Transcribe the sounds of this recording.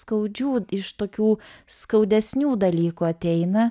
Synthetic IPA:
skɐʊd͡ʒʲuːɪʃt̪oːkʲuːskɐʊd̪ʲɛsʲnʲuːd̪ɐlʲiːkuɐt̪ʲɛɪnɐ

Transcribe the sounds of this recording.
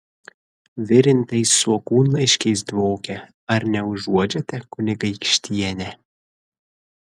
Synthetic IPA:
ʋʲɪɾʲɪnʲt̪ʲɐɪsːuɔkuːnlˠɐɪʃʲkʲɛɪs̬d̪ʋoːkʲɛ | ɐɾnʲɛʊʒuɔd͡ʒʲɛt̪ʲɛkʊnʲɪɡɐɪkʃʲt̪ʲiɛnʲɛ

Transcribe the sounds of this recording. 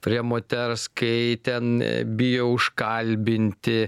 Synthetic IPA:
pʲɾʲiɛmoːt̪ʲɛɾskɐɪt̪ʲɛnbʲɪjoʊʃkɐlʲbʲɪnʲt̪ʲɪ

